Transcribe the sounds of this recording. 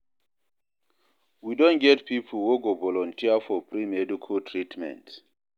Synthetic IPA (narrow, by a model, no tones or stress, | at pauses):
widɔ̃nɡɛtpipʰuwoɡovɔlɔ̃ntʰiafɔpɹimɛdikʰɔtʰɹitmɛ̰̃nt